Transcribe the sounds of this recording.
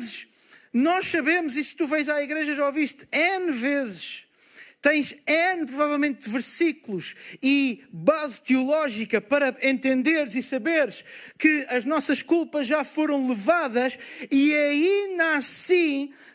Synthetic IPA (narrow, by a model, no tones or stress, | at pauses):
zʃ | nɔʃsɐβemuzist̪uvɐ̃j̃zaiɣɾeʒɐʒaoviʃt̪ɛnvezɨʃ | t̪ɐ̃j̃ʃɛnpɾuvavɛlˠmẽnt̪̚d̪ɨvɨɾsiklˠuʃiβazt̪ɨulˠɔʒikɐpɐɾɐẽnt̪ẽnd̪eɾzisɐβeɾʃkɨɐʒnɔsɐʃkulˠpɐʒʒafoɾɐ̃w̃lˠɨvaðɐʃiɐind̪asĩ